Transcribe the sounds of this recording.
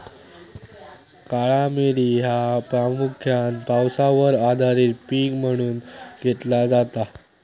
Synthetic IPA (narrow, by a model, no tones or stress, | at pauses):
kaɭameɾiːɦapɾamukʰjanpawsaʋəɾad̪ʱaɾiːt̪piːkm̤əɽ̃uːnɡʱet̪lad͡zat̪a